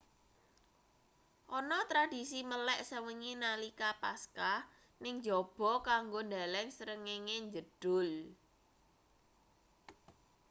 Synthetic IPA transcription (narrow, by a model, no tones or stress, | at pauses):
ʔɔnɔt̪ɾad̥isiməlɛʔsəwəŋinalikapaska | nɪŋd͡ʒɔb̥ɔ̤kaŋɡond̪a̤lɛŋsəɾəŋeŋeɲd͡ʒəd̥ʊl